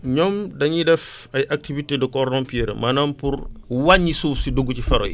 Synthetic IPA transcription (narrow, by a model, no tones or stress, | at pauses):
ɲɔmdɐɲidɛfɐjʔak̚tivitedɐkɔɾnɔmpiɛɾ̰mɐnɐmpuɾwaɲisuːsiduɡːucifɐɾɔ̰ji